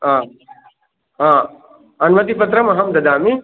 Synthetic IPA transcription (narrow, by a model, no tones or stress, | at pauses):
ɦãː | ɦãː | ɐnʋɐt̪̬ipɐt̪ɾɐmɐɦɐmd̪ɐd̪aːmi